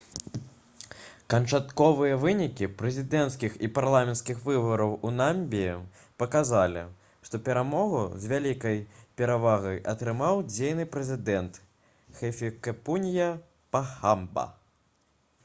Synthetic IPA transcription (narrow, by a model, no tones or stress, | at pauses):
kɐnt͡ʂat̪kɔvɨjɐvɨnʲikʲipɾɛzʲid̪ɛnt̪skʲixipaɾlˠamʲɛnt̪skʲixvɨbɐɾɐwunamʲbʲijɛ | pɐkazalʲḭ | ʂt̪ɔpʲɛɾamɔɣṵzʲvʲalʲikɐjpʲɛɾavaɣɐjɐt̪ɾɨmawd͡zʲejnɨpɾɛzʲid̪ɛnt̪ | xɛfʲikɛpunʲijɐ | paxambɐ̰